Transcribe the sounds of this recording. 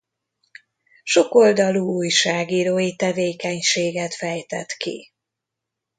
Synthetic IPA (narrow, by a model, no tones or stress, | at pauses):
ʃo̞ko̞ld̪ɒluuːjʃaːɡiːɾoːjit̪ɛveːkɛɲʃeːɡɛt̪fɛjt̪ɛt̪kḭ